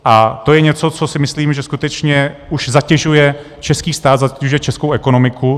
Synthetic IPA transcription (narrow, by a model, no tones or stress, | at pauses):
ʔat̪o̞jɛɲɛt͡so̞t͡so̞sɪmɪsliːmʒɛskut̪ɛt͡ʃɲɛʔuʃzacɛʒujɛ | t͡ʃɛskiːst̪aːt̪zacɛʒujɛt͡ʃɛskowʔɛko̞no̞mɪkʰu